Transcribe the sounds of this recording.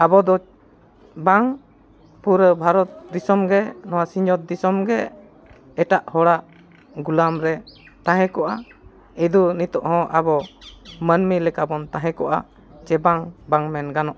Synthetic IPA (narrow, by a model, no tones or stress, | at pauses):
abɔd̪ɔ | baŋ | puɾəbʱaɾɔt̪̚d̪isɔmɡɛnɔwasiɲd͡ʒɔt̪̚d̪isɔmɡɛː | ʈaʔhɔɽaʔ | ɡulamɾɛ | t̪ãɦɛ̃kɔʔa | ɛd̪unit̪ɔʔhɔ̃ʔabɔmənmilɛkabɔnt̪aɦɛ̃kɔʔa̰ | t͡ʃɛbaŋbaŋmɛnɡanɔʔ